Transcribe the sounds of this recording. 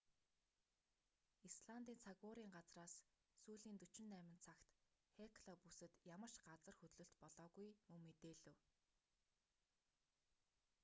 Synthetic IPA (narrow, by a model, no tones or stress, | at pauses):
isɮant̪iːnt͡sʰaɣʊːɾiːŋɢat͡sraːs | suːɮiːnt̪ɵt͡ɕɪ̆nːæːmɪ̆nt͡sʰakt̪xekʰɮɔːpusɘ̆t̪jamə̆r̥ʃɢat͡sə̆rxɵt̪ɮɵ̆ɬt̪pɔɮɔːɣujmɵŋmet̪eːɮɘ̆w